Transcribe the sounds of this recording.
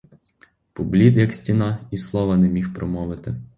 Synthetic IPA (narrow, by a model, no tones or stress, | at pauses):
pɔblʲid̪jɐksʲtʲinɑislˠɔʋɐnɛmʲixpɾɔmɔʋɪt̪ɪ